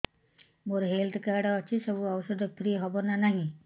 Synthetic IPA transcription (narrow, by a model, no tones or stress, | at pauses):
moɾɦelt̪ʰkaɾɖɔːt͡ʃʰisɔbuawɔsɔd̪ɔpʰɾiɦɔbɔnanaɦĩ